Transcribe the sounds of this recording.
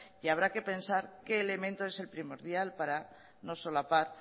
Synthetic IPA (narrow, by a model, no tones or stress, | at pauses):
jaβ̞ɾake̞pe̞nsaɾke̞ːle̞mẽ̞nt̪oe̞se̞lpɾimo̞ɾðjalpaɾa | no̞solapaɾ